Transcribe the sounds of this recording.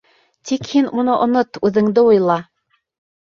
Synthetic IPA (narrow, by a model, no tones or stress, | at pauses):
t̪ikhinunɤʔŏnot̪ʉðɘ̆ŋd̪ɘujlˠɑ